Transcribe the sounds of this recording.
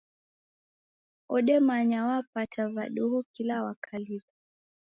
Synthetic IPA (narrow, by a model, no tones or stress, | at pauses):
ɔɗɛmaɲawapatʰavaɗuɦukilawakʰaliba